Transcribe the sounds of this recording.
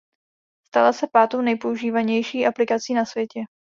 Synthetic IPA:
st̪alasɛpaːt̪ownɛjpo̞uʒiːvaɲɛjʃiːʔaplɪkat͡siːnasvjɛcɛ

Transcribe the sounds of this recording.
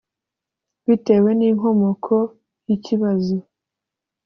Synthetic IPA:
βite̞ːwe̞niːŋo̞mo̞kʰo | jiciβazo

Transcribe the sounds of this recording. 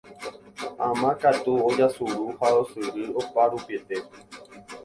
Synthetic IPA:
ãmãkat̪uod͡ʒasuɾuhaosɨɾiopaɾupiet̪e

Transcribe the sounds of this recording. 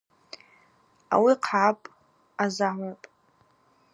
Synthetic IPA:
a̰wiqʰʕapʼ | azaʕʷapʼ

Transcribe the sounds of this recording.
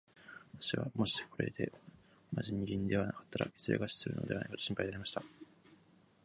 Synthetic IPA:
at̪ḁɕiβa̰mo̞ɕi̥kʰo̞ɾe̞̰d̪e̞̰ | maʑiɲ̟iɡʲĩɲ̟d̪e̞βanakḁt̪ːaɾa̰i̥t͡sɨɾeɡaɕi̥sɨɾɯ̟no̰d̪e̞ana̰ikot̪ːoɕĩmpaid̪aɾemaɕi̥t̪a

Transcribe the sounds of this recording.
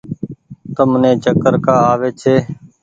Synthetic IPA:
t̪əmnẽːt͡ʃəkəɾkaːaːʋeːt͡ʃʰeː

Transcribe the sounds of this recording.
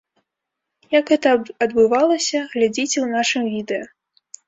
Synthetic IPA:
jɐkɣɛt̪ɐɐd̪bɨvalˠɐsʲɐɣlʲad͡zʲit͡sʲɛwnaʂɨmvʲid̪ɛjɐ

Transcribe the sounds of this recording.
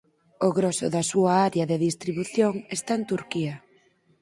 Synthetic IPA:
ʊɣɾoɔsʊ̰ðɐsuaaɾjɐðeðist̪ɾiβuθjoŋest̪aent̪uɾkiɐ

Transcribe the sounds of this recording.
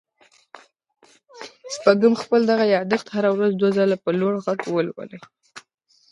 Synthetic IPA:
spaɡəmxpəld̪aɣajɑd̪əxt̪haɾawɾazd̪wazɑlapəlwoɽɣaɡwəlwə̰lə

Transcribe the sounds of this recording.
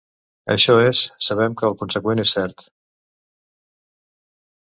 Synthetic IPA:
ə̰ʃɔesːəβ̞ɛmkəːlˠkunsəkwenesːɛɾt̪

